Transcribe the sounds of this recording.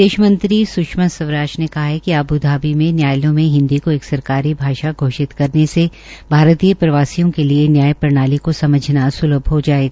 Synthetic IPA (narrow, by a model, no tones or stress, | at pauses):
d̪eːʃmə̃nt̪ɾisʊʃməsɐʋɾaːt͡ʃnekɐɦaɦɛkiaːbud̪ʱaːbimẽnjaːjlõmẽɦɪ̃nd̪ikoeːksɐɾkaːɾibʱaːʃaɡʱoːʃɪt̪kɐɾnese | bʱaːɾt̪iːjəpɾɐʋaːsijõkelienjaːjpɐɾñaːlikosɐməd͡ʒʱnasʊləbʱɦod͡ʒaːeːɡaː